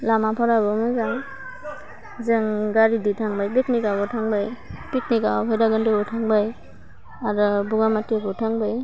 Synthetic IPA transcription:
lamapʰɔɾabɔmɔjzaŋ | zeŋɡaɾiditʰaŋbajbeknikabɔtʰaŋbajpiknikapʰajdaɡɯndebɔtʰaŋbaj | aɾɔbuŋamatiabɔtʰaŋbaj

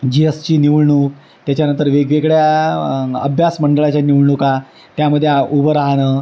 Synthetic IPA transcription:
d͡ʑiest͡ɕiːniʋɭɳuːk | t̪jat͡ɕjanə̃nt̪əɾʋeɡʋeɡɭja | ə̰bʱjasməɳɖəɭat͡ɕaniʋɭɳuka | t̪jaməd̪ʱːjeubəɾaɦnə

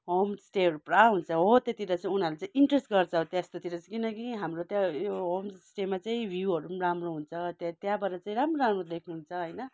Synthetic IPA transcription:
ɦomsʈeɦʌɾupraɦunt͡sʰʌɦot̪jet̪iɾʌt͡saĩunaɾulet͡saĩiɳʈresʈɡʌrt͡sʰʌot̪jast̪ot̪iɾʌt͡skinʌkiɦamrot̪jajoɦomsʈemat͡saĩbʱjuɦʌɾuramroɦunt͡sʰʌt̪at̪jãbʌɾʌt͡saĩɾamroɾamrod̪ekʰnuɦunt͡sʰʌɦʌjnʌ

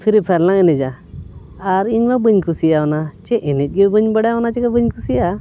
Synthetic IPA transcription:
pʰiɾipʰɛɾlaŋɛnɛd͡ʒa | aɾiɲmabəɲkusijaɔnat͡ʃɛʔɛnɛt̚ˀɡɛbəɲbaɽajaɔnat͡ʃɛɡabəɲkusiʔa

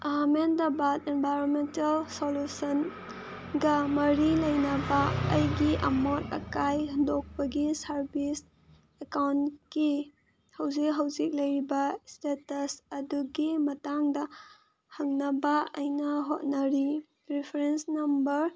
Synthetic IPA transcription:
amendɐbatenbʱajɾonmentɐlsolusɐn | ɡɐmɐɾilɐjnɐbɐɐjɡiʔɐmotɐ̰kajɦɐndok̚pɐɡisɐɾbis | ekawnki | hɐwzik̚ɦɐwzik̚lɐjɾibɐstetɐsɐduɡimɐtaŋdɐ | hɐŋnɐbɐɐjnɐɦot̚nɐɾi | pɾipʰeɾensnɐmbɐɾ

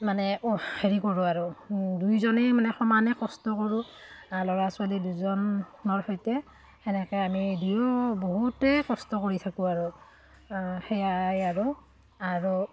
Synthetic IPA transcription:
manɛheɹikoɹʊaɹudujzɔnɛmanɛxɔmanɛkɔstɔkɔɹʊ̃alɔɹasʊaliduzɔnɔɹxɔjtɛ | ɛnɛkɛamidujɔboɦutɛkɔstɔkoɹitʰakʊ̃aɹu | xɛjajaɹu | aɹu

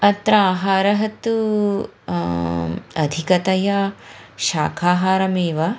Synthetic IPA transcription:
ɐt̪ɾɐaːɦaːɾɐɦɐt̪ːu | ɐd̪ʱikɐt̪ɐjaʃa̰ːkʰaːɦaːɾɐmeːʋɐ

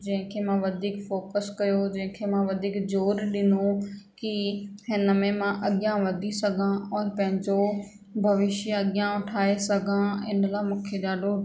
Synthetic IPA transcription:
d͡ʑɐ̃ɦɪ̃kʰemãʋɐd̪ʱiːkfoːkəskɐjod͡ʑɐ̃ɦɪ̃kʰemãʋɐd̪ʱiːkd͡ʑoːɾɗɪnokihɪnə̆mẽmãʔɐɠjãʋɐd̪ʱisɐɡʱãɔːɾpɐ̃ɦɪ̃ɲd͡ʑo | bʱɐʋɪʃjɐɠɪjãʊʈʰaːesɐɡʱãɪ̰nəlaːmũːkʰeɗaːɗo

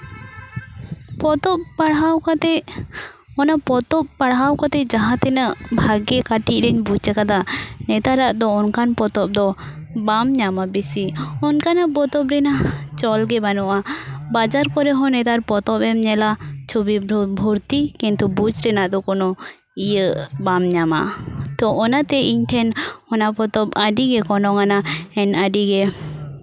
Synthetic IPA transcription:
pɔt̪ɔp̚paɽɦawkat̪ɛ | ɔnapɔt̪ɔp̚paɽɦawkat̪ɛd͡ʒaɦãt̪ɛnaʔbʱaɡɛkaʈiʔ̚ɾɛɲbud͡ʒt͡ʃɛkad̪anɛt̪aɾaʔd̪ɔːnkanpɔt̪ɔp̚d̪ɔbamɲamabesiɔnkanaʔpɔt̪ɔp̚ɾɛnat͡ʃɔlɡɛbanɔʔabad͡ʒaɾkɔɾɛɦɔ̃nɛt̪aɾpɔt̪ɔpɛmɲɛlat͡ʃʰubibʱɔɾt̪ikint̪ubud͡ʒɾɛnaʔd̪ɔkɔnɔ | ijəʔbamɲama̰t̪ɔʔɔnat̪ɛiɲʈʰɛnhɔnapɔt̪ɔp̚aɖiɡɛkɔnɔŋanaɛnaɖiɡɛ

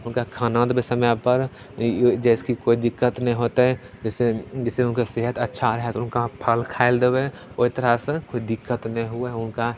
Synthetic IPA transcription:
ʊnkakʰaːnãːd̪besɐmjapəɾ | d͡ʒɛːskikoːid̪ɪkːət̪nɐĩɦoːt̪aɦɛ | d͡ʒɛːsed͡ʒɛːseʊnkaseɦət̪ətːʃʰaɾɛɦɛt̪ʊnkapʰəlkʰaːɪld̪ewe | oɪt̪əɾaskoːid̪ɪkːət̪nɐĩɦʊeʊnka

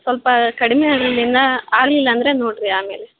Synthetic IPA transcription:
sɔlɐpaːkɐɽɯmɛjaːɽɐlɪlɪɾnd̪ãːaːɽɪlɪlːɛɐnd̪ɪɾeːnoːʈːɾɯaːmḛːlɛ

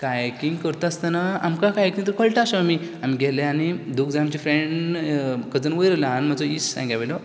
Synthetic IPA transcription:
kajekiŋɡkəɾt̪ast̪anaa̰mkakajekiŋt̪əɾkəɭʈaaɕaamiam̤iɡʱɛlɛ̃anid̪ukd͡zaamt͡ɕifɾeɳɖ | kəd͡zənʋəjɾəlaɦanm̤ad͡zɔit͡ssã̰ŋɡaʋelo

